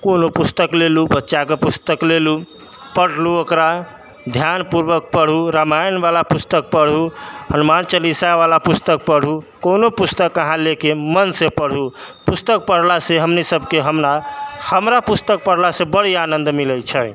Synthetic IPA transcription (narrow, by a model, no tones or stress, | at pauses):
konopust̪əklelubətːʃakepust̪əklelu | pəɽluokɾa | d̪ʱjanpuɾbək̚pəɽ̤uɾamajnbalapust̪ək̚pəɽ̤uhənumant͡ʃəlisaβalapust̪ək̚pəɽ̤ɦukonopust̪əkəɦãlekemənsepəɽ̤upust̪ək̚pəɽ̤laseɦəmnisəbʱkeɦəmnahəmɾapust̪ək̚pəɽ̤lasebəɽ̤ianə̃nd̪miləjt͡ʃʰɛ